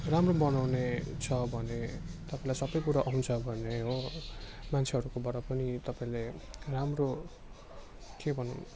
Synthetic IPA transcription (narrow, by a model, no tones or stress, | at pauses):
ramrobʌnawnet͡sʰʌbʱʌnet̪ʌpaĩlajsʌbʌjkuɾaʔʌɦũnt͡sʰʌbʱʌneɦo | mant͡sʰeɦʌɾukobʌɾʌpʌnit̪ʌpaĩleramro | kebʱʌnṵn